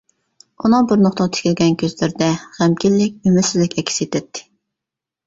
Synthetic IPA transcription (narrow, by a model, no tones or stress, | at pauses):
unɨŋbuɾnoχt̪ɑʁt̪ʰɪ̥kʲilɡʲɛnkʲʰøzlɪɾd̪ɛʁæmkʲilːɪkʲymyɾsɪzlɪkʲɛkʲʰːi̥set̪ʰɛt̪ʰːɪ̥